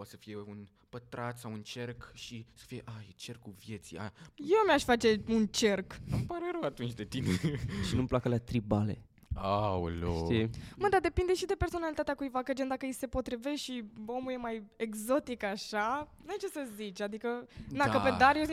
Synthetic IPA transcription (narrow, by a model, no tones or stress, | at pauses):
pat̪sə̥fije̞un | pət̪ɾat̪sawunt͡ʃerkʃisə̥fije̞ʔajet͡ʃe̞rkuvje̞t̪sia̰jewmʲaʃʲfat͡ʃe̞unt͡ʃe̞rknumpaɾeɾəwat̪unt͡ʃʲd̪e̞t̪ineʃinuməplakəlat̪ɾibale̞̰ | awlo̰ʃt̪ijeməd̪ad̪e̞pind̪e̞ʃid̪e̞perso̞nalit̪at̪eakujvakəd͡ʒend̪akəjese̞po̞t̪ɾive̞ʃʃio̞muje̞majeɡzo̞t̪ikaʃanujet͡ʃe̞səzit͡ʃʲad̪ikəd̪akəped̪aɾje